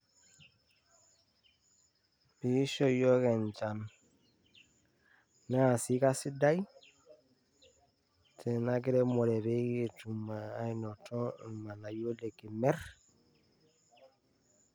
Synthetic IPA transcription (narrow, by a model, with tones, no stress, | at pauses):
bi˨˦ʃo˦jo˦ke˨nt͡ʃa˨n | na˦˨si˦ka˦si˦da˦j | tʰe˨na˦ki˦ɾe˦mo˨ɾe˨βe˦ɡi˦tu˨ma˨a˦ino˨to˦ma˨na˨jo˦le˨ki˨me˦ɾ